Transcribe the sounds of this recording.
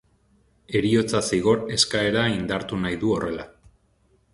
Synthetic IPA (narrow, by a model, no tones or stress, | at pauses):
e̞ɾio̞t͡sasiɣ̞o̞ɾe̞skae̞ɾaind̪aɾt̪unajðuo̞re̞la